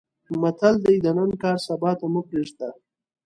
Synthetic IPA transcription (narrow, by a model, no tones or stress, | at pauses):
mat̪ʰald̪ajd̪ənənkɑːɾsabɑːt̪amupɾeʂt̪a